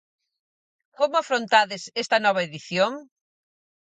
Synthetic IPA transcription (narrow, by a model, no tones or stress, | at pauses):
komʊafɾont̪aðɪsest̪ɐnɔβ̞ɐeðiθjoŋ